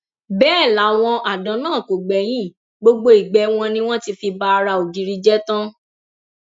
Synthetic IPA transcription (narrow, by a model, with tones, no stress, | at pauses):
bɛː˦˨la˨˦w̃ɔ̃˧ʔa˨dɔ̃˨˧˦nãː˦˨ko˨ɡ͡bɛ˨j̃ĩ˦˨ | ɡ͡bo˧ɡ͡bo˦i˨ɡ͡bɛ˨˦w̃ɔ̃˧nĩ˦w̃ɔ̃˦ti˧fi˧ba˦a˧ɾa˧o˨di˧ɾi˨˧d͡ʒɛ˦tã˦